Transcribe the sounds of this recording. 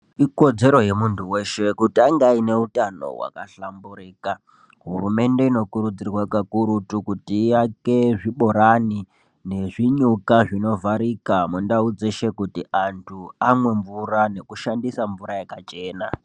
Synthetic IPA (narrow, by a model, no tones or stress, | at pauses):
iko̞d͡ze̞ɾo̞je̞muntʰuwe̞ʃe̞kutiaŋɡaine̞utano̞̰wa̰ka̰ɬambuɾiːka | ɦurume̞nde̞ino̞kuɾud͡zirwakakuɾutukutiːjakeʐiɓo̞ɾani | ne̞ʐiɲukaʐino̞vaɾikamundaud͡ze̞ʃe̞kutiʔantʰuamwe̞ɱvuɾane̞kuʃandisaɱvuɾajakat͡ʃe̞ːna